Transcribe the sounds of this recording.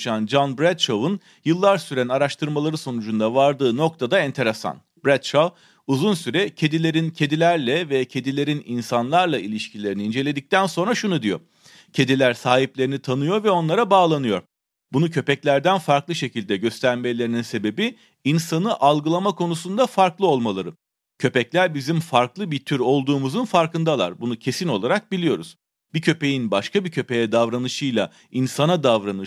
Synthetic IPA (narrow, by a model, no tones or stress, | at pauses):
ʃand͡ʒanbɾæt̪t͡ʃovɯn | jɯlˠːaɾsyɾænaɾaʃt̪ʰɯɾmalˠaɾɯso̞nud͡ʒund̪avaɾd̪ɯːno̞kt̪ʰad̪aɛnt̪ʰe̞ɾesa̰n | bɾæt̪t͡ʃov | uzunsyɾɛcʰe̞d̪ilʲe̞ɾincʰe̞d̪ilʲæɾlʲɛvɛcʰe̞d̪ilʲe̞ɾininsanlˠaɾlˠailʲiʃcʰilʲe̞ɾiniːnd͡ʒe̞lʲe̞d̪ic̚t̪ʰænso̞nɾaʃunud̪ijo̞̰ | cʰe̞d̪ilʲæɾsaːɦiplʲeɾinit̪ʰanɯjo̞ɾvɛo̞nlˠaɾabaːlˠanɯjo̞ɾ | bunucʰø̞pɛclʲæɾd̪ænfaɾklˠɯʃe̞cʰilʲd̪ɛɟø̞st̪ʰæɾmelʲe̞ɾininse̞be̞bi | insanɯʔalˠɡɯlˠamakʰo̞nusund̪afaɾklˠɯo̞lˠmalˠaɾɯ | cʰø̞pɛclʲæɾbizimfaɾklˠɯbit̪ʰyɾo̞lˠd̪uːmuzɯnfaɾkɯnd̪alˠa̰ɾbunucʰe̞sino̞lˠaɾak̚bilʲijo̞ɾuz̥ | b̥icʰø̞pe̞jinbaʃkʰabicʰø̞pe̞jɛd̪avɾanɯʃɯjlˠa | insanad̪avɾanɯ